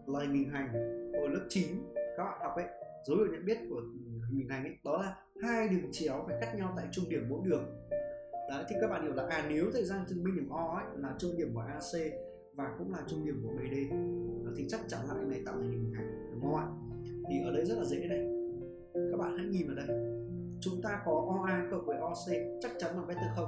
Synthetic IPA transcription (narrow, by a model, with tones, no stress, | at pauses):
laː˨˩t̪ʰŋ̟hï˨˩ŋ̟ɦa˨˩jŋ̟ʔo˧˩lɨ˦˥p̚t͡ɕi˨˦nkaː˦˥k̚ɓa̰ː˧˨nhwk͡p̚ʔə̰˧˦j | zə˨˦whḭ˧˨wɲə̰˧˨nɓi˦˥ət̚ku˧˩ə˨˩i˨˩ŋ̟ha˨˩jŋ̟ʔə̰˧˦jɗɔ˨˦laː˨˩ | haː˧jɗɨ˨˩ə˩t͡ɕi˧˦əwfaː˧˩jka˦˥k̚ɲa˧wt̪a̰ː˧˨jt͡ɕʊ˧ŋ͡mɗi˧˩əmɓo̰˧˥ɗɨ˨˩əŋ | ɗɔ˨˦t̪ʰi˨kaː˦˥ɓa̰ː˧˨hwla̰ː˨˧˩ʔaː˨˩ni˨˦əwt̪ʰəː˨˧˨jzaː˧˨˩t̪ʰɨ˨˩ŋmi˧i˧˩əmʔɔ˧ə˧˦jlaː˨˩t͡ɕʊ˧ŋ͡mɗi˨˩əmkṵ˧˩jʔaː˧se˧ | vaː˨˩kʊ̰˧˥ŋ͡mlaː˨˩t͡ɕʊ˧ŋ͡mɗi˨˩əmkṵ˧˩ɓe˧˩ɗe˧˨˩t̪ʰi˨˩t͡ɕa˦˥k̚t͡ɕa˨˦nla̰ː˧˨ʔŋna˨˩jt̪ːt̪ʰːŋhi̟˨˩˨ɦa˨˩jŋ˨˩˦mɔ˨˧wʔa̰˧˨ | t̪ʰi˨˩ʔəː˨˩ɗə˨˦jzə˦˥t̚laː˨˩ə̰˨˦ə˨˦na˨˩j | kaː˦˥k̚ɓa̰ː˧˨nha̰ː˧˥jŋi˨˩mvəː˨˩ɗə˨˦j | t͡ɕʊ˨˦ŋ͡mt̪aː˧kɔ˨˦ʔɔ˧ʔaː˧kə̰˧˨w̚vəː˨˦jʔɔ˧se˧t͡ɕa˦˥k̚t͡ɕa˨˦nlaː˨˩kaː˨˦j̚t̪ɨ̰˧˩xə˧wŋ͡m